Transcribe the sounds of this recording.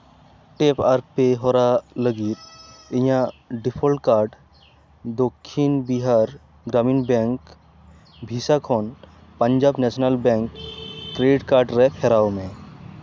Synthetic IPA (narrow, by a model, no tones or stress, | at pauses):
ʈeːpaːɾpeɦoːɾaləɡiːɾijãɖɪpʰolʈ̚kaːɾɖ | d̪okʰːinbiɦaːɾ | ɡɾaːmiːnbɛ̃ŋk | bʱiːsakʰoːn | pə̃ɲd͡ʒaːbnɛsnəlbɛ̃ŋkːɾeɖɪʈkaːɾɖɾɛpʰɛɾaomẽ